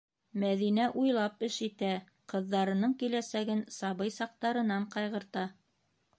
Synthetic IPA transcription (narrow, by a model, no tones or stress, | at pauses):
mæðinæʔujlˠɑpɘʃit̪æ | qɤ̆ðːɑɾɤ̆nɤɴkilæsæɡɘnsɑβɤjsɑq̚t̪ɑɾɤ̆nɑɴqɑjʁɤ̆ɾt̪ɑ